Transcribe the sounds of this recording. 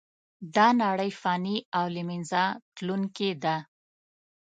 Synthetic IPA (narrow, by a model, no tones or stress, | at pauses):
d̪ɑnaɽəjfɑniawlɪmɪnzɑt̪lunked̪a